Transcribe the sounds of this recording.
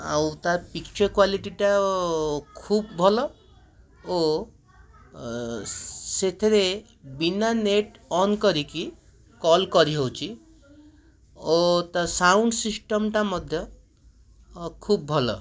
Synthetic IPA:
a̰wt̪aɾpikt͡ʃɔɾkwaliʈiʈa | kʰub̚bʱɔlɔ | o | set̪ʰeɾe | binaneʈɔnkɔɾiki | kɔlkɔɾiɦowt͡ʃʰi | ot̪asawɳɖsisʈɔmʈamɔd̪ʱjɔ | kʰub̚ːʱɔlɔ̰

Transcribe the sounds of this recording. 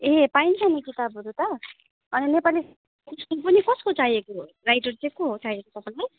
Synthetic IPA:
eɦpaint͡sʰanekit̪abʱɦoɾut̪ʌ | ʌninepalis | iskup̬ʌnikʌskot͡saiekorajʈʌrt͡sẽkoɦot͡sajekot̪ʌpaj̃laj

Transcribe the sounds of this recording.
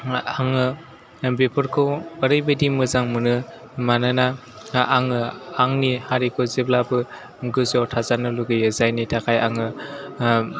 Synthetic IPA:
aŋɯ | bepʰɯɾkʰɔəɾɯjbɯdimɯzaŋmɯnɯ | manɯna | aŋɯaŋnihaɾikʰɔzeblabɯ | ɡɯzɔtʰazanɯluɡɯjɯzajnitʰakʰajaŋɯ

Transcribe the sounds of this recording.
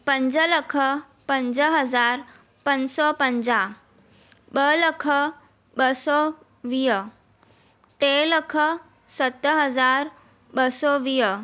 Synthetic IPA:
pɐ̃ɲd͡ʑəlɐkʰə | pɐ̃ɲd͡ʑəɦɐzaːɾ | pɐ̃ɲd͡ʑsɔpɐ̃ɲd͡ʑa | ɓəlɐkʰə | ɓəsɔ | ʋiːɦə | t̪eləkʰə | sɐt̪əɦɐzaːɾ | ɓəsɔʋiɦə

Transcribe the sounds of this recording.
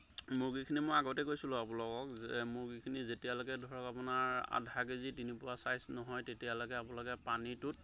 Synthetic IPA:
mʊɹɡikʰinimojaɡɔtɛkojsilʊ̃apʊlɔkɔkzɛmʊɹɡikʰinizetijalɔɡɛdʱɔɹɔkapʊnaɹa̰dʱaɡezitinipʊɹasajsnɔɦɔjtetialɔɡɛapʊlɔɡɛpanitʊt̚

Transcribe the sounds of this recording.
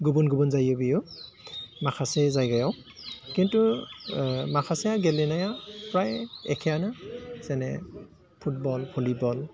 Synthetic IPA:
ɡubunɡubɔnzajɔbijɔ | makʰasɛzajɡajɔw | kintu | makʰasɛjaɡɛlɛnajapɹajɛ̰kʰɛjanasɛnɛ̰ | pʰut̚bɔlpʰulibɔl

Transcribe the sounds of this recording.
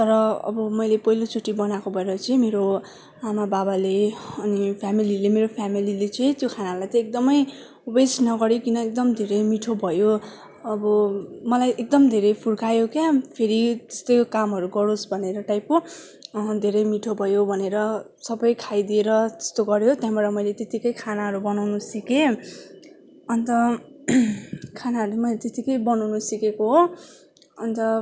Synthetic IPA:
t̪ʌɾʌʌ̰bʌmʌjlepʌɦilot͡sʰoʈibʌnakobʱʌeɾʌt͡sʌĩmeɾo | amababaleʌnipʰjamililemeɾopʰamililet͡sʌĩt̪jokʰanalajt̪ʌ̃ek̚d̪ʌmʌj | besnʌɡʌɾjokinʌek̚d̪ʌmd̪ʱeɾʌjmiʈʰobʱʌjo | ʌbʌmʌlajʔek̚d̪ʌmd̪ʱeɾʌjpʰuɽkʰajokjapʰeɾit̪e̥st̪ʌjkamɦʌɾuɡʌɾosbʱʌneɾʌʈajpo | d̪ʱeɾʌjmiʈʰobʱʌjobʱʌneɾʌ | sʌbʌjkʰajd̪ieɾʌt̪e̥st̪oɡʌɾjot̪jaɦbaɾʌmʌjlet̪et̪ikʌjkʰanaɦʌɾubʌnawnusike | ʌnt̪ʌ | kʰanaɦʌɾumʌjlet̪et̪ikʌjbʌnawnusikekoɦo | ʌnt̪ʌ

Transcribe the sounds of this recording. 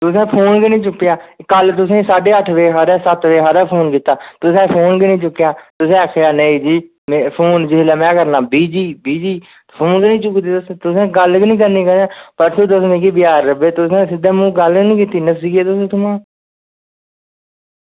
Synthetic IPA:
t̪ʊsɛ̃ːpʰoːnkinĩːt͡ʃʊkːɪjaːkəlt̪ʊsẽːsaːɖeːəʈʰʋeːɦaːɾɛːsət̪ʋeːɦaːɾɛːpʰoːnkiːt̪ːaːt̪ʊsɛ̃ːpʰoːnkɪnĩːt͡ʃʊkːjãːt̪ʊsɛ̃ːkʰjaːnəĩːd͡ʒiː | mːpʰoːnd͡ʒɪɦlaːmɛ̃ːkəɾnaːbiːd͡ʒiːbiːd͡ʒiː | pʰoːnɡnĩːt͡ʃʊkd̪eːt̪ʊst̪ʊsẽːɡəlknĩːk̬əɾniːkəɾãːpəɾt̪ũːt̪ʊsmẽːkiːbɪjaːɾːəbeːt̪ʊsẽːsɪd̪ɛ̃ːmũːɡəlknĩːkiːt̪iːnəsiːɡeːt̪ʊsẽːt̪ʊmãː

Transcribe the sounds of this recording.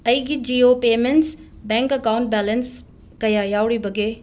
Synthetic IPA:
ɐjɡid͡ʒiːoːpeːmẽnʈsbɛ̃ːŋkɐkaːwɳʈ̚bɛːləns | kɐjajaːwɽibɐɡeː

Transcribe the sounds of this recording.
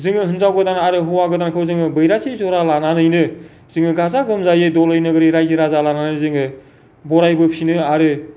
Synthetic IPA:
zɯŋɯɦɯnzawɡɯdanaɾɯɦɔwaɡɯdankʰɯwzɯŋɯbɯjɾatʰejzɔɾalananɯjnɯ | zɯŋɯɡazaɡɯmzajɯdɔlɯjnɯɡɯɾiɾajzɯɾazalananɯzɯŋɯ | bɔɾajbɯpʰinɯaɾɯ

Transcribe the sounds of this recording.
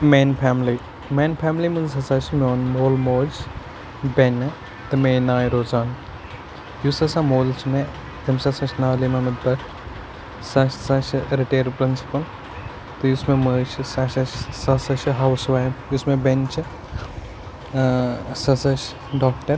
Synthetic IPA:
meːnpʰaːmli | mẽːnpʰaːmlimɨzɐsɐʃmoːnmoːlmoːt͡ʃ | benɨ | t̪ɐmeːnaːjɾoːzaːn | jusɐsãmoːlt͡ʃʰme | t̪ɐmsɐsɐʃnaːlimɐmɐt̪̚bɐkʰ | sɐʃsɐʃɾiʈeːɾpɾɪnsi̥pɐl | t̪ɨjusmeməːt͡ʃʰɨsɐʃɐʃsɐsɐʃɦɐwsʋaːjjusmebent͡ʃʰɨ | sɐsɐʃ | ɖɔːk̚ʈɐɾ

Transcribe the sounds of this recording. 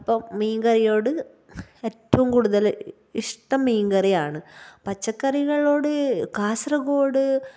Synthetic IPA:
ɐpːɐmmiːŋɡɐrijoːɽɨ | eːtːɐʋumkuːɽuðɐl | iʂʈɐmːiːŋɡɐrijaːɳɨpɐt͡ɕːɐkːɐriɣɐɭo̞ːɽɨkaːsrɐɣoːɽɨ

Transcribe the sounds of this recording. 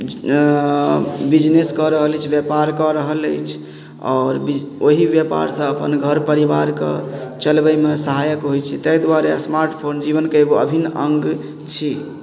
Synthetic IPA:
bid͡ʒneskɔɾəɦəlt͡ʃʰbjəpaɾkɔɾəɦələ̰jt͡ʃʰ | ɔːɾbi | oɦibjəpa̰ɾsə̃əpənɡʱəɾpəɾibaɾkḛ | t͡ʃəlbəmesəɦajəkɦojt͡ʃʰit̪əjd̪waɾesmaɾʈpʰond͡ʒiβənkeeɡoə̰bʱinə̃ŋɡ | t͡ʃʰi

